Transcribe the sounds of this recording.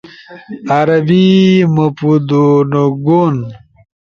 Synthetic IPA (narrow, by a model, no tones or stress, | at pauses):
aɾɐbimɐpud̪onoɡon